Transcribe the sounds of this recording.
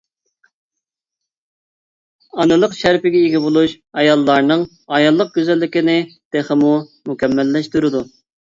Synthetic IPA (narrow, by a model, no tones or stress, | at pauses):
ɑnɨlˠəqʃæɾpɪɡʲɛiɡʲɛbolˠuʃ | ɑjɑlˠːɑɾnɨŋ | ɑjɑlˠːəq̚ɡʲyzælːɪkʲɪnɪd̪̥eχəmumukʲʰɛmːɛlːɛʃt̪uɾɨd̪u